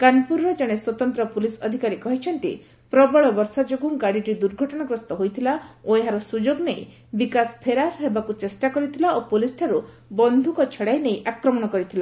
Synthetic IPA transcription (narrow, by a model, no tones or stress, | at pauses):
kanpuɾɾɔd͡ʒɔɽ̃eswɔt̪ɔnt̪ɾɔpulisɔd̪ʱikaɾikɔɦit͡ʃʰɔnt̪ḭ | pɾɔbɔɭɔbɔɾsad͡ʒoɡuŋɡaɽiʈid̪uɾɡʱɔʈɔɽ̃aɡɾɔst̪ɔɦojt̪ʰilaoeɦaɾɔsud͡ʒoɡnej̃ | bikaspʰeɾaɾɦebakut͡ʃesʈakɔɾit̪ʰilaʔopolisʈʰaɾu | bɔnd̪ʱukɔt͡ʃʰɔɽajnejʔakɾɔmɔɽ̃ɔkɔɾit̪ʰila